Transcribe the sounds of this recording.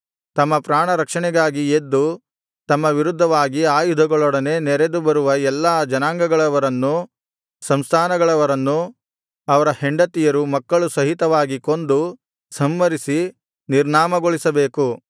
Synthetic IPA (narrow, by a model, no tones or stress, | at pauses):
t̪ɐmːɐpɾaːɳɐɾɐkʂɐɳɛɡaːɡied̪ːu | t̪ɐmːɐʋiɾud̪ʱːɐʋaːɡiaːjud̪ʱɐɡɔɭɔɽɐne̞ːnɛɾed̪ubɐɾuʋɐɛlːaːd͡ʒɐnaːŋɡɐɡɐɭɐʋɐɾɐnːu | sɐmst̪ʰaːnɐɡɐɭɐʋɐɾɐnːu | ɐʋɐɾɐheɳɖɐt̪ijɐɾumɐkːɐɭusɐɦit̪ɐʋaːɡiko̞nd̪u | sɐmːɐɾisi | niɾɳaːmɐɡoɭisɐbe̞ːku